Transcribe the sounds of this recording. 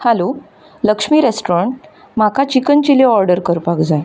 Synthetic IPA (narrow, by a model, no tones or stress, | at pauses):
halo | ləkʂmiːɾesʈɾəɳʈ̚ | m̤akat͡ɕikənt͡ɕileɔɾɖəɾkəɾpakd͡zaj